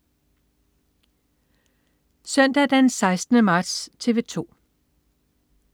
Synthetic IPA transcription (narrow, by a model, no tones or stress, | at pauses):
sœn̰d̥æd̥ænsɑ̈ɪsd̥nəmɑ̈ːd̥st͡sʰe̝ːʋe̝t͡sʰo̝̰ː